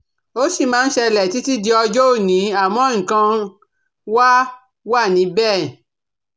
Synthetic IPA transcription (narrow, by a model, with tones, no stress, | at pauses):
o˦si˦˨mãː˦n̩˦ʃɛ˧lɛ˨ti˦ti˦di˧ɔ˧d͡ʒɔ˦o˦˨nĩ˨˦a˦˨mɔ̃˨˦ŋ̩˨kã˧ | wa˦ | wa˦˨nĩ˨˦bɛ˦˨